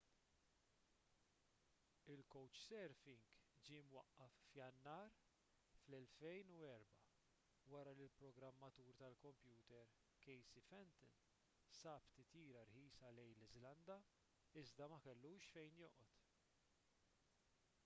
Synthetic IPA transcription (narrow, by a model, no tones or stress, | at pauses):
ɪlkɔwt͡ʃsɛɾfɪŋɡd͡ʒiːmwɐʔːɐfːjɐnːɐːɾ | flɛlfɛjnuɛɾbɐ | wɐɾɐlilpɾɔɡɾɐmːɐt̪uːɾt̪ɐlkɔmpjuːt̪ɛɾ | kɛjsifɛnt̪ɪn | sɐːpt̪ɪt̪iːɾɐɾħiːsɐlɛjlɪzlɐnd̪ɐ | ɪzd̪ɐmɐkɛlːuːʃfɛjnjɔ̰ːʔɔt̪